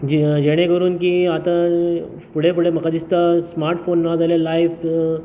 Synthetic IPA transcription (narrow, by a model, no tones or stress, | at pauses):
d͡ʑid͡ʑeɽ̃ẽkəɾuːnkiat̪ã | puɽ̤epuɽ̤eməkad͡ʑ̪ist̪asmaɾʈfonːad͡zalalajf